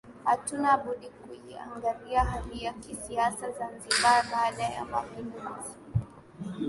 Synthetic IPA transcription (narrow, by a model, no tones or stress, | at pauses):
hatunaːɓuɗikujia̰ŋɡaliaɦaliakisiasazanziɓaɓaːɗaja̰mapinduzi